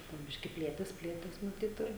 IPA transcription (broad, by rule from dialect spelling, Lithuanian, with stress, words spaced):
poː ˈbʲɪʃʲkʲɪ ˈpʲlʲeːtʲeːs ˈpʲlʲeːtʲeːs ˈnʊ ˈtɐɪp ɪr